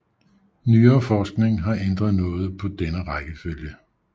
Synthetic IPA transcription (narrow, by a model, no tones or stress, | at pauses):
nyːɐːfɒːsɡ̥ne̝ŋɦɑ̈ʔend̥ʁɐðˠnɔ̽ːð̩ˠpʰɒ̽d̥enəʁɑɡ̥əføljə